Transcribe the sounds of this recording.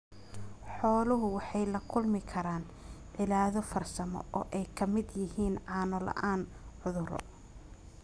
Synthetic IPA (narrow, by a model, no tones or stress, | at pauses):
ħɔːlʊɦʊwɑħɑjlɐkʰʊlmɪkʰɐɾaːn | ʕɪlaːðɔfɐrsɐmɔ̰ʔɔːʔɛjkʰɐmɪd̪jɪhiːnʕɑːnɔlɐ̰ʔaːn | ʕʊðʊɾɔ̰